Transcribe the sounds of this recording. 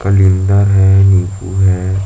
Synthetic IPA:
kalind̪əɾɦɛːniːpʰṵɡɦɛː

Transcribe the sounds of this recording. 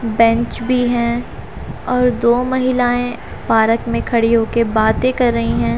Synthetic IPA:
bɛ̃ɲt͡ʃbʱiɦɛ̃ | ɔːɾd̪oːmɐɦɪlaːẽ | paːɾəkmẽkʰɐɽiɦokebaːt̪ẽkɐɾːɐɦĩɦɛ̃ː

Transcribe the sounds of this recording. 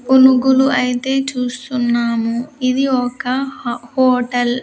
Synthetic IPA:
unuɡuluʔɐjit̪e̞ːt͡ʃuːst̪unːaːmuid̪iɔkɐhoːʈɐl

